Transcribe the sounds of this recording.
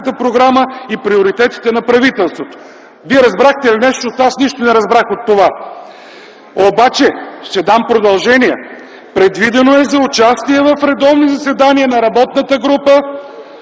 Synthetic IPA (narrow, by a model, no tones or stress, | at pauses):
t̪əpɾoɡɾaməipɾioɾit̪ɛt̪i̥t̪ɛnɐpɾɐvit̪ɛlˠst̪vot̪o̥ | viɛɾɐzbɾaxt̪ɛlinɛʃt̪oːt̪asniʃt̪onɛɾɐzbɾaxot̪ːova | obat͡ʃɛʃt̪ɛd̪ampɾod̪ɐlˠʒɛniɛ | pɾɛd̪vid̪ɛnoɛzɐʊt͡ʃast̪iɛvɐfɾɛd̪ɔvnizɐsvɛd̪aniənɐɾɐbɔt̪nət̪əɡɾupə